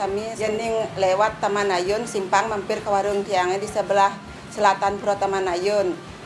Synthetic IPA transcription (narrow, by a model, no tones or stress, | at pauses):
amijənɪŋlewat̪ːamanajʊnsimpaŋmampɪrkawaɾʊŋt̪iaŋɛdisəbəlah | səlat̪anpuɾɔt̪amanajʊn